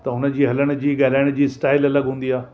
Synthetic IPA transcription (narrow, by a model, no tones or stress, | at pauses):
t̪ɐʊnd͡ʑiːɦɐləɽ̃d͡ʑiːɡɐɾaːɪɽ̃d͡ʑiːsʈaːɪlɐləɡɦũːnd̪iaː